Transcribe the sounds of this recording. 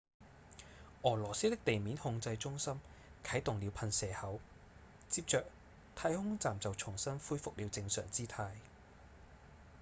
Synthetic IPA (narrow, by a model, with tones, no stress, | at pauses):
ʔɔː˨˩lɔː˨˩siː˥t̪ɪ˥k̚t̪e˨jmiː˨˥nhʊ˧ŋt͡sɐ˧jt͡ʃʊ˥ŋsɐ˥mkʰɐ˨˥jt̪ʊ˨ŋli˨˧wpʰɐ˧nsɛː˨˩hɐ˨˥w | t͡siː˧p̚t͡ʃœː˨k̚ | t̪ʰaː˧˥jhʊ˥ŋt͡saː˨mt͡sɐ˨wt͡sʰʊ˨˩ŋsɐ˥nfuː˥jfʊ˨k̚liː˨˧wt͡sɪ˧ŋsœ̰ː˨˩ŋt͡siː˥t̪ʰaː˧j